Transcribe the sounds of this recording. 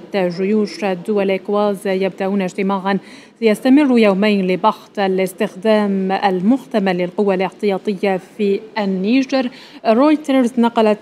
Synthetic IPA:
at̪ːaʒʊjuːʃad̪ːʊwalʔɪkwaːzjab̚d̪aʔuːnɪʒt̪ɪmaːʕan | ajast̪amɪrːʊjawmajnlɪbɑħt̪ˤalɪst̪ɪxd̪aːmalmʊht̪amalɪlqʊwːalʔɪħt̪ɪjɑːt̪ˤɨjːafiːanːiːʒɪɾ | ɾojt̪aɾznɑqɑlat̪

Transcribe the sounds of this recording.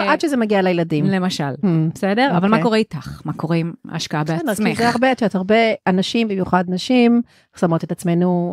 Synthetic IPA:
adʃezemaɡialajeladimlemaʃalbesedeʁvavalmako̞ʁeitaχmakoʁeima̰ʃkaabeanemizeaʁbeadʃeothaʁbe̞anaʃimbimjuχadnaʃim | samo̞t̪et̪at͡sme̞nu

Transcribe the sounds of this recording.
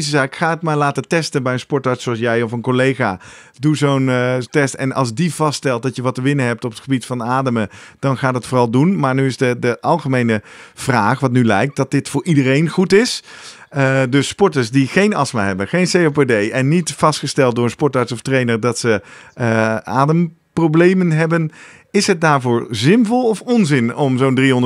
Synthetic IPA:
zəzaːkkχaːɦətmaːɹlaːtətɛstənbɛjənspɔɹtaɹtsoɑlˠsjɛjɔfənkolejχaː | duzowntɛstɛ̰nɑ̰lˠzdivɑsttɛlˠt̚dɑtjəʋɑtəʋɪnəɦɛp̚tɔpətχəbitfɑnaːdəməd̥ɑnχaːdɑtfʊːrɑlˠdunmaːɹnyɪsdədəʔɑlˠχəmejnəv̥raːχʋɑtnylɛjk̚t̚dɑt̚dɪtfʊːɹʔidərejnχutɪs | ədɵspɔɹtəɹsdiχejnɑsma̰ɦɛbənχejnsejopedejɛnːitfɑstχəstɛlˠt̚dʊːɹənspɔɹtaɹtsɔftrejnəɹdɑtsəəa̰ːdəm | prowblejmənɦɛbən | ɪsɦət̚daːɹvʊːɹzɪnvɔlˠɔfɔnzɪnɔmzowndriɦɔnd

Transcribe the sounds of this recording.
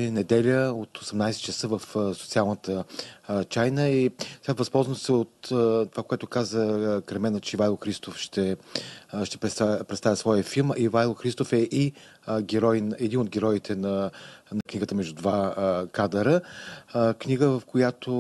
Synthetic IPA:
ɛnɛd̪ɛlʲəot̪osɛmnajsɛt̪t͡ʃəsəvəfsot̪sialˠnət̪ə | t͡ʃajnəisɛɡat̪vɐspɔlˠzvəmsɛot̪t̪ːovakoɛt̪ʊkazəkɾɛmɛnət͡ʃɛvalˠxɾist̪ofʃt̪ɛ | ʃt̪ɛpɾɛpɾɛt̪st̪avʲjɐsvɔjəfilˠmivajlˠxɾist̪ofɛʔi | ɡʲɛɾɔjnɛd̪inod̪̚ɡʲɛɾɔit̪ʰɛnɐnɐkniɡət̪əmɛʒd̪ud̪vakad̪əɾə | kniɡəvəfkojat̪ʰo

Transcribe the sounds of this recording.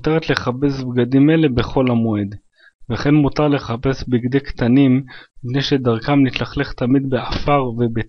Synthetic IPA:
teʁet̪le̞χape̞sbɡad̪imelebe̞χo̞lamoe̞d̪ | veχe̞nmut̪aʁle̞χape̞sbiɡd̪ekt̪animipne̞jʃe̞d̪aʁkamnit̪laχleχt̪amid̪beafaʁvebe

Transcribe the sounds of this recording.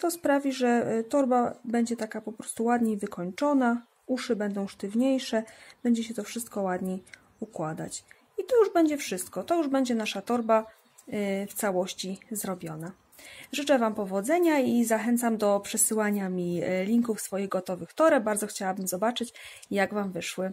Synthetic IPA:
t̪ɔspɾavʲiʐɛt̪ɔɾbabɛɲd͡ʑɛt̪akapɔpɾɔ̥st̪uwad̪ɲejvɘkʰɔɲt͡ʂɔna | uʂɘbɛnd̪ɔ̃w̃ʂt̪ɘvɲejʂɛb̥ɛɲd͡ʑɛɕɛt̪ɔfʂɘst̪̚kɔwad̪ɲej | ukwad̪a̰t͡ɕ | it̪ɔjuʐbɛɲd͡ʑɛfʂɘst̪kɔt̪ɔjuʐbɛɲd͡ʑɛnaʂat̪ɔɾba | ft̪sawɔɕt͡ɕizɾɔbʲjɔna | ʐɘt͡ʂɛvampɔvɔd̪zɛɲaizaxɛnt̪samd̪ɔpʂɛsɘwaɲamʲilʲiŋkufsfɔjiɣɡɔt̪ɔvɘxt̪ɔɾɛbaɾd̪zɔxt͡ɕawabɘmzɔbat͡ʂɘt͡ɕ | jaɡvamvɘʂwɘ

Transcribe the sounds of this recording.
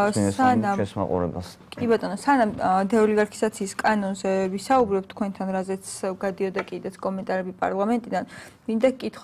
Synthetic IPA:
anaa̰qʼṵɾɛ̰ba̰s | kʼibat̪ʼɔnɔsanamd̪ɛɔliɡaɾkʰi̥zat̪sʰiːskʼanɔnzɛvisaubɾɛp̚t̪ʰːkʰwɛnt̪ʰanɾazɛt̪sʰɡad̪iɔd̪akʼid̪ɛt̪skʼɔmɛnt̪ʼaɾɛbipʼa̰ɾlˠamɛnt̪ʼid̪anmind̪akʼit̪ʰχw

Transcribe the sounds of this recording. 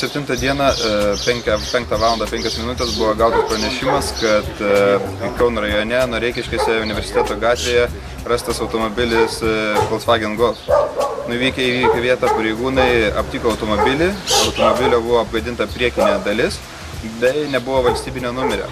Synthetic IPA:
sʲɛpʲt̪ʲɪnt̪ɐd̪ʲiɛnɐpʲɛŋkʲɛpʲɛŋkt̪ɑːʋɑːlˠɐnd̪ɐpʲɛŋʲkʲɛsmʲɪnʊt̪ʲɛsbʊʋoːɡɑʊt̪ɐspɾɐnʲɛʃʲɪmɐskɐt̪ | kɛʊnɾɐjonʲɛnuɾʲɛɪkʲɪʃʲkʲeːsʲɛʊnʲɪʋʲɛɾʲsʲɪt̪ʲæːt̪oːɡɑːt̪ʲʋʲeːjɛ | ɾɑst̪ɐsɐʊt̪omobʲɪlʲɪskoːlˠsʋɑːɡʲɛnɡolˠnʊʋʲiːkʲɛiʋʲiːkʲɛʋʲiɛt̪ɑpɐɾʲɛɪɡuːnɐɪɐ̰pʲt̪ʲiːkoːɐʊt̪omobʲɪlʲɪɐʊt̪oːmobʲɪlʲobʊʋoːɐb̚ɡɐd̪ʲɪnt̪ɐpʲɾʲiɛkʲɪnʲeːd̪ɐlʲɪs | bʲɛɪnʲɛbʊʋoːʋɐlʲsʲt̪ʲiːbʲɪnʲeːnʊmʲɛɾʲo̰ː

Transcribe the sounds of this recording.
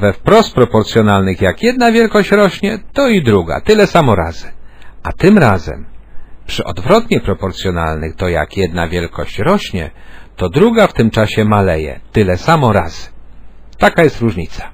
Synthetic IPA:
vɛfpɾɔst̪̚pɾɔpɔɾt̪sʲjɔnalnɘxjakjɛd̪̚navʲjɛlkɔɕt͡ɕɾɔɕɲɛt̪ɔid̪ɾuɡa̰t̪ɘlɛsamɔɾa̰zɘʔat̪ɘmɾazɛ̰mpʂɘʔɔ̰d̪vɾɔt̪ɲɛpɾɔpɔɾt̪sʲjɔna̰lnɘxt̪ɔja̰kjɛd̪̚navʲjɛlkɔ̰ɕt͡ɕɾɔɕɲɛ̰t̪ɔd̪ɾuɡaft̪ɘmt͡ʂaɕɛmalɛjɛ̰t̪ɘlɛsamɔɾa̰z̥ɘ̥t̪akajɛst̪ɾuʐɲit̪sḁ

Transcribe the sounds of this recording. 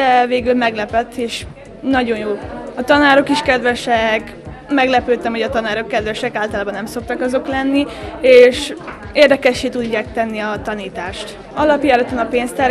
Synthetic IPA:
ɛveːɡylmɛɡlɛpɛt̪ːeːʃ | nɒɟo̞njoːɒt̪ɒnaːɾo̞kiʃkɛd̪ʋɛʃɛk | mɛɡlɛpøːt̪ːɛmɦo̞ɟɒt̪ɒnaːɾo̞kːɛd̪ʋɛʃɛkaːlt̪ɒlaːbɒnɛmso̞k̚t̪ɒkɒzo̞klɛnːieːʃ | eːrd̪ɛkɛʃːeːt̪uɟːaːk̚t̪ɛnːiɒt̪ɒniːt̪aːʃt̪ | ɒlɒpjaɛløt̪ːɒnɒpeːnst̪ɛr

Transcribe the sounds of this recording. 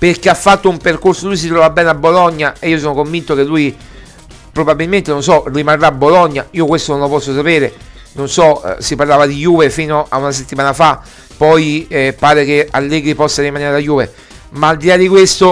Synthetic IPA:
perk̟eafːat̪ːoumperkorsolujs̬it̪ɾɔvabːɛːnabolɔɲːaeiːos̬oːnokoɱvint̪okelːuj | pɾobabilment̪enonsɔrimarːaːbːolɔɲːaiːokwest̪ononlopɔsːosapɛːɾe | nonsɔ̰siparlaːvad̪ijuːvefiːnoʔaunas̬et̪ːimaːnafa | pːɔjpaːɾek̟ealːɛːɡɾipɔsːaɾimaneɾajuːve | maːld̪ilad̪ikwest̪o

